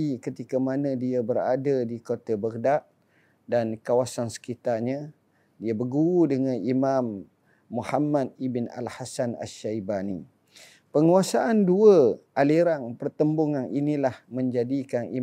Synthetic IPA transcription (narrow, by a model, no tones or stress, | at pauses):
ikət̪ikamanə̃diabəɾa̰dadikot̪abərdaʔ | dankawasansə̥kit̪arɲə̃ | diabəɡuudəŋanimamː | uhamad̪̚ibɪna̰lhasana̰ʃajbani | pəŋuasaʔanduəʔaliɾaŋpərt̪əmbuŋanʔinĩlahmə̃ɲd͡ʒadikanḭ